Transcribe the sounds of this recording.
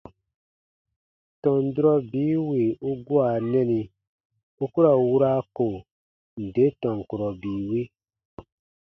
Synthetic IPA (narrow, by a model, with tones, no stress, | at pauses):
tɔ̃˨n˨du˦ɾɔ˦biː˨˦wi˨u˦ɡu˦a˨nɛ̃˦ni˨ | u˦ku˦ɾa˨wu˦ɾa˦ko˨ | n̩˨de˦tɔ̃˨ŋ˨ku˨ɾɔ˨biː˨wi˦